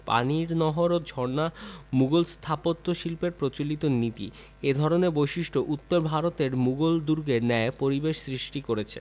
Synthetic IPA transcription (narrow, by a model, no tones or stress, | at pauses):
pa̰niɾnɔɦoɾod͡ʑʱɔɾnamuɡolst̪ʰapot̪ːoʃilpeɾpɾot͡ɕolit̪onit̪ḭ | ed̪ʱɔɾonebojʃiʃʈʰoʔut̪ːoɾbʱaɾot̪eɾmuɡold̪uɾɡenɛepoɾibeʃsɾiʃʈikoɾet͡ɕʰe̥̰